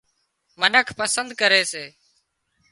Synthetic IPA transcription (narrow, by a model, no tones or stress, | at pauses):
mənəkʰpəsənd̪̚kəɾeːseː